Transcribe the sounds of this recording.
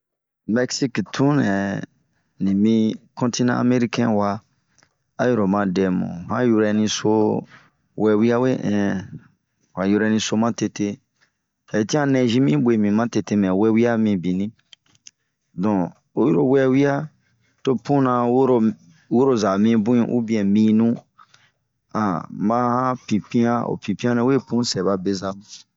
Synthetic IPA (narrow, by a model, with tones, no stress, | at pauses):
mɛ˦ksi˦ktʰũ˦nɛ˨ | nĩ˨mĩ˧kɔ̃˦nti˦nã̰˦a̰˨me˦ɾi˦kɛ̃˦wa˧ | a˦jo˦˨ɾo˨mã˧dɛ˨mɔ̰̃˨hã˦ju˧ɾɛ˧nĩ˧so˧˦ | wɛ˧wi˦a˦we˦ʔɛ̃˨ | wa˨ju˧ɾɛ˧nĩ˧so˧mã˦te˧te˧ | a˨i˨tĩ˦ã˦nɛ̃˧ʒĩ˦mĩ˦ɓwe˨mĩ˨mã˦te˧te˧mɛ̃˨wɛ˦wi˦a˦mĩ˧bĩ˨nĩ˦ | dɔ̃˨ | o˦ju˦ɾo˨wɛ˦wi˦a˦ | to˦pũ˦nã˧wo˦ɾo˧ | wo˦ɾo˦za˨mĩ˧bũ˦ĩ˦ʔṵ˦bĩ˦ɛ̃˨mĩ˧nũ˦ | ã̰˨mã˦hã˦pĩ˨pĩ˦ã˦o̰˨pĩ˨pĩ˦ã˦nɛ̃˧˦we˦˨pũ˦sɛ˨ba˧be˧za˧m˨